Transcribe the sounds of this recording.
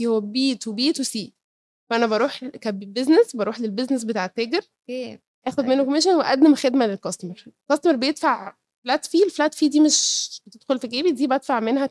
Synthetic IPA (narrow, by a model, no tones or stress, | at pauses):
ihowːæbiːt̪webiːt̪wesiː | wæʔænæbɑɾˤuːħkæbbeznesbɑɾuːħlelbeznes̬bet̪aːʕet̪ːeɡeɾ | ke | ʔæːxod̪menːokomeːʃ̬onweʔæd̪ːæmxed̪mælelkɑst̪meɾlkɑst̪meɾbejet̪faʕ | flæt̪fiːlflæt̪fiːd̪iːmeʃb̥et̪ed̥̪xolfiɡæːbit̪̚d̪iːbʔæd̪faʕmenhæ